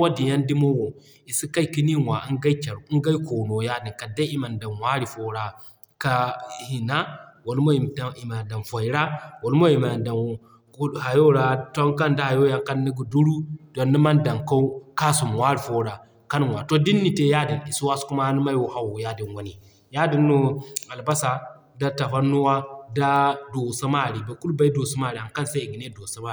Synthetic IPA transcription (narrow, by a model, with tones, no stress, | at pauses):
wa˦di˨ja˦ndi˦mo˦wo˨ | i˨si˦ka˦jki˦ni˦wa˨i˦ŋɡa˦jt͡ʃa˨ɾu˨i˦ŋɡa˦jko˨no˨ja˦di˨ka˨da˦i˦ma˨nda˨nwa˦ɾi˨fo˨ɾa˨ | ka˦hi˨na˦wo˨lmo˦˨i˨ma˨da˨nfo˨jɾa˦wo˨lmo˦i˨ma˨nda˨n˨˦ | ha˨jo˦ɾa˨to˦ŋka˦nda˦ha˨jo˦ja˨ka˦nːi˦ɡu˨du˦ɾu˦d̥o˨nːi˦ma˦nda˨ŋka˦u˦ka˦su˨m˨wa˦ɾfo˦ɾa˨ | ka˦n˦wa˨to˦di˦nːi˨te˦ja˦di˨ni˨su˦wa˦sku˦ma˦a˦n˦ma˦jwo˨ha˦wo˨ja˦di˨nwa˦ni˨ | ja˦di˨nːo˦a˨lba˦sa˨ | da˦ta˨ɸa˦nu˦wa˦da˦do˨sa˦ma˦˨ɾi˨ba˨˦ku˦lba˦i˦do˨su˦ma˦˨ɾi˨ha˨nka˦nsa˦i˨ɡi˨ne˦do˨sa˦ma˦˨i˨